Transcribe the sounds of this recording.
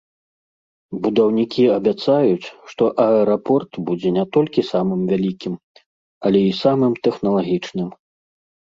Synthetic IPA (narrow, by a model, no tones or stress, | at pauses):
bud̪awnʲikʲiɐbʲat̪sajut͡sʲʂt̪ɔʔɐɛɾapɔrt̪bud͡zʲɛnʲɛt̪ɔlʲkʲisamɨmvʲalʲikʲim | ɐlʲɛisamɨmt̪ɛxnɐlˠaɣʲit͡ʂnɨm